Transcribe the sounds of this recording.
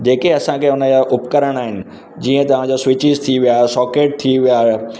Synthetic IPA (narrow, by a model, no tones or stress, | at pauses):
d͡ʑeːkeɐsãkʰeːʊnəd͡ʑaʔʊpkəɾəɽ̃aːɦɪnɪ̆ | d͡ʑiːə̃t̪ɐʋ̤ãd͡ʑasʋɪt͡ɕɪzt̪ʰiʋijaːɦesɔːkeːʈ̚t̪ʰiʋijaːɦe